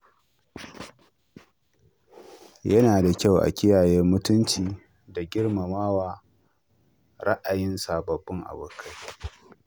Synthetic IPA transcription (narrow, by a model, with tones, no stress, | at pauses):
jɐ˦naː˨da˨kʲa˦˨wʔa̰˨kʲɪ˦jaː˨jɛ˦rmʊ˦tʊ˦nt͡ʃiː˨ | da˨ɡʲɪ˦rma˨maː˦waː˨ | ɾɐ˦ʔa˨jɪ˦nsaː˨bɐ˨bːʊ˦ŋʔa̰˨bʊ˨kʰa˦j